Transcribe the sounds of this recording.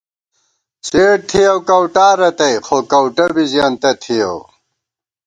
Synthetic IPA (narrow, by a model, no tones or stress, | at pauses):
seːɽ̚t̪ʰijɐwkɐwʈaːɾɐt̪ɐjxokɐwʈɐbizjaːnt̪ɐt̪ʰijɐw